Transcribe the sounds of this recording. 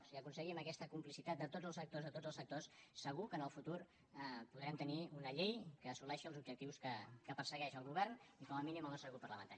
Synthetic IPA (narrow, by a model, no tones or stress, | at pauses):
siəkunsəɣiməkɛst̪əkumplisit̪at̪d̪ət̪odd͡zəlˠsək̚t̪ozðət̪od͡zəlˠsək̚t̪ossːəɣukənəlˠfut̪uɾ | əpuðɾɛmt̪əniunəʎejkəːsulɛʃiəlˠzubʒək̚t̪iwskəkəpərsəɣɛʃəlˠɣuβɛɾnikɔməminiməlˠəsəɣupərləmə̰nt̪a